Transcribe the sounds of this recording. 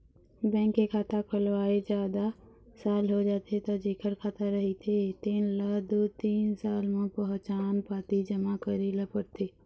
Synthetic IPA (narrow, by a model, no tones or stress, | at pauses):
bɛ̃ːŋkːekʰaːt̪akʰʊlʋaːed͡ʒjaːd̪a | saːlɦod͡ʒaːt̪ʰet̪ɔd͡ʒeːkʰəɾkʰaːt̪aɾəɦit̪ʰet̪iːnləd̪ot̪iːnsaːlmãpəɦt͡ʃaːnpaːt̪id͡ʒəmakəɾiləpəɾt̪ʰeː